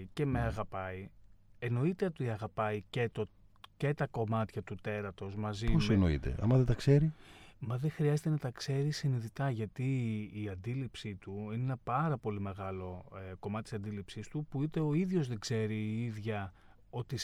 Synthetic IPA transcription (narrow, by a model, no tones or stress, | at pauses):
ce̞me̞ɐɣɐpɐieno̞it̪e̞ot̪iɐɣɐpɐicet̪o | ce̞t̪ɐko̞mɐt̪çɐt̪ut̪e̞ɾɐt̪o̞zmɐzioseno̰ḭt̪e̞̰ʔɐ̰mɐðet̪ɐkse̞ɾimɐðexɾiɐzet̪e̞nɐt̪ɐkse̞ɾisiniðit̪ɐʝɐt̪iːɐnd̪ilipsit̪uineenɐpɐɾɐpo̞lime̞ɣɐlo̞eko̞mɐt̪t̪isɐnd̪ilipsist̪upuit̪e̞o̞iðʝo̞zðe̞ɡze̞ɾiːiðʝɐ | o̞t̪i